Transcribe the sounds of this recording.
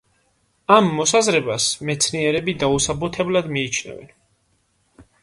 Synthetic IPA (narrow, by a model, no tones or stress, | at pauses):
amːɔsazɾɛbasmɛt̪sʰniɛɾɛbid̪ausabut̪ʰɛblad̪miːt͡ʃʰnɛ̰vɛ̰n